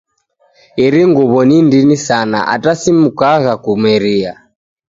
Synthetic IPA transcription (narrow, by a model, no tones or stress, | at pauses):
iɾiŋɡuβɔnindinisana̰ʔa̰tasimukaɣakumɛɾia